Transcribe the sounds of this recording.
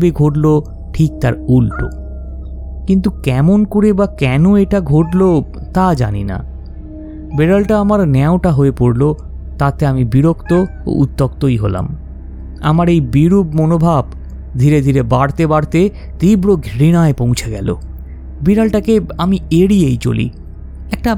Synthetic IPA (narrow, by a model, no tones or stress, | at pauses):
beɡʱoʈlo | ʈʰik̚t̪aɾulʈo̰ | kint̪ukɛmonkoɾebakɛnoeʈaɡʱoʈlo | t̪ad͡ʑa̰nḭna̰ | beɾalʈaamaɾnɛoʈaɦoepoɽlo | t̪at̪eamibiɾokt̪oo̰ʔut̪ːokt̪ojɦola̰m | a̰maɾejbiɾubmonobʱab | d̪ʱiɾed̪ʱiɾebaɽt̪ebaɽt̪e | t̪ibɽoɡʱɾinaepõw̃t͡ɕʰeɡɛlo̰ | biɾalʈakeamieɽiejt͡ɕo̰lḭ | ɛk̚ʈa